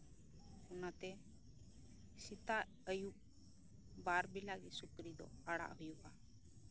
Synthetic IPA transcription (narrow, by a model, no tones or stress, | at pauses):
ʊnat̪e | sɪt̪a | əju | baːɾbilaɡisʊkɾid̪o̰aɽa̰ɦʊjuka